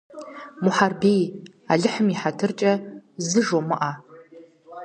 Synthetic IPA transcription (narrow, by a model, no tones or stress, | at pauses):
muħarbej | aɮɨħʊmiħatʰɨrt͡ʃʼɐzɨʒomɨʔa